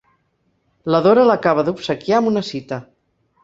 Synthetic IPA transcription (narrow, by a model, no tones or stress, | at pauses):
ləðoɾələkaβ̞əðupsəkjaəmunəsit̪ə